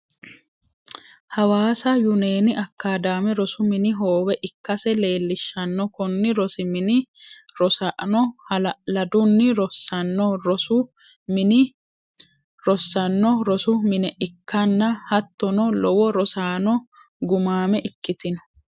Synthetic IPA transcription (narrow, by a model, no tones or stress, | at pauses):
hɐwaːsɐjʊneːnɪʔɐkːaːd̪aːmɛɾɔsʊmɪnɪɦoːwɛʔɪkːɐsɛle̞ːlːɪʃːɐnːɔkɔnːɪɾɔsɪmɪnɪɾɔsaʔnɔhlɐd̪ʊnːɪɾɔsːɐnːɔɾɔsʊ | mɪnɪ | ɾɔsːɐnːɔɾɔsʊmɪnɛʔɪkːɐnːɐhɐt̪ːɔnɔlɔwɔɾɔsaːnɔ | ɡʊmaːmɛʔɪkːɪt̪ɪnɔ